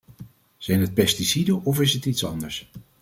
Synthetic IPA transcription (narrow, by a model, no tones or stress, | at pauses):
z̥ɛjnɦət̚pɛstisidəʔɔfɪsɦətitsɑ̰ndəɹs